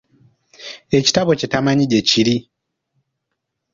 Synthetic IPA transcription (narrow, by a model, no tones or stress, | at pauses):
e̞ci̥taβo̞citamaɲiɟeciɾi